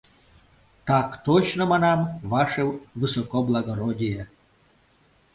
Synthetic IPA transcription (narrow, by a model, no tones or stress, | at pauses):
t̪ɑkt̪ot͡ɕnomɑnɑmvɑʃewvɨsɔkoblˠaɡoɾodʲija